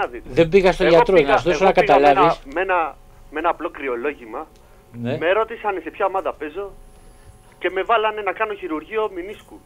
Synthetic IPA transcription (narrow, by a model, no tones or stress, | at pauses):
ɐðit̪ðe̞mbiɣɐst̪oʝɐt̪ɾoɲɐst̪osonɐkɐt̪ɐlɐvismenɐ | me̞nɐːplo̞kɾio̞lo̞ʝimɐ | nemeɾo̞t̪isɐnese̞pçɐomɐðɐpe̞zo̞ | ce̞me̞vɐlɐne̞nɐkɐno̞çiɾuɾʝio̞minisku